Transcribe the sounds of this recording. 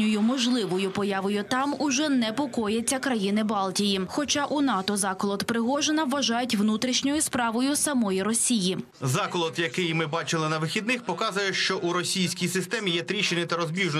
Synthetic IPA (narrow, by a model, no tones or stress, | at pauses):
ʊjʊmɔʒlˠɪʋɔjʊpɔjɑʋɔjʊt̪ɑmʊʒɛnɛpɔkɔjɛt͡sʲːɐkɾɐjinɪbɑlˠtʲijixɔt͡ʃɑʔunɑt̪ɔzɑklˠɔt̪pɾɪɦɔʒenɐʋːɐʒɑjʊtʲʋnut̪ɾʲiʃnʲɔjʊspɾɑʋɔjʊsɐmɔjiɾɔsʲiji | zɑklˠɔd̪jɐkɪjmɪbɑt͡ʃɪlˠɪnɐʋɪxʲid̪̚nɪxpɔkɑzʊjɛʃt͡ʃɔʔuɾɔssʲijsʲkʲijsɪst̪ɛmʲijɛt̪ɾʲiʃenʲɛt̪ɐɾɔzbʲiʒn